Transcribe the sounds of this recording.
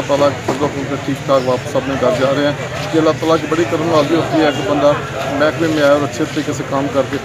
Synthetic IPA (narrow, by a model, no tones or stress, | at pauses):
aːt̪aːlaːkːpəɾoːkʊ̃t̪eːʈʰiːktʰaːkʋaːpəsəpnẽːɡ̪əɾd͡ʒaːɾeːɛ̃ː | keəlːaːt̪aːlaːkibəɽiːkəɾəmʋaːld̪iːʊt̪iːɛːkbənd̪aː | mɛ̃ːkbĩːmɪaːjoːɾətːʃʰeːt̪əɾiːkɪseːkamkəɾkeː